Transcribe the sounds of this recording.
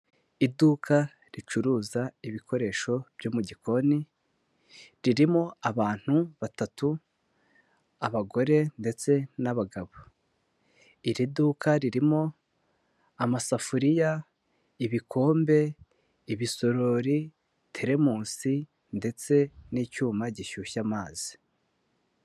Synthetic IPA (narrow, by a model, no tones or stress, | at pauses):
iduːkʰa | ɾit͡ʃuɾuːzaiβiko̞ɾe̞ːʃo̞b̥joːmuɟiko̞ni | ɾiɾimo̞aβaːn̥huβatatu | aβaɡo̞ɾe̞nde̞t͡se̞naβaɡaβo | iɾidukaɾiɾimo̞ | amasafuɾija | iβikʰo̞ːmbe̞ | iβiso̞ɾo̞ɾi | tʰeɾe̞muːsi | nde̞t͡se̞niːcuːmaɟiʃuːçamaːz̥i̥